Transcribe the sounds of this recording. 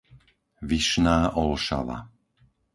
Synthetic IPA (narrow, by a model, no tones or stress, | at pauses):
ʋiʃnaːʔɔlʃa̰ʋa̰